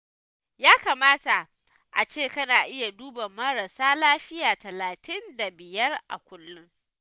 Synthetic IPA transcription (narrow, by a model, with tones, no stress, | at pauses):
jaː˦kaː˨maː˦ta˨ | ʔa˨t͡ʃeː˦˨kɐ˦naː˨ʔɪ˦ja˨duː˦bɐ˨mːɐ˦ɽa˨saː˦laː˦ɸɪ˦jaː˨tɐ˨laː˨tɪ˦nda˨bɪ˨jɐ˦rʔa̰˨kʷʊ˦lːʊ˦ŋ